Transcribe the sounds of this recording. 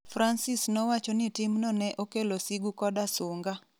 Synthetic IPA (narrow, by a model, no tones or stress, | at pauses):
fɾansɪsnɔwat͡ʃɔnɪtɪmnɔnɛʔokelosiɡukɔdasʊŋɡa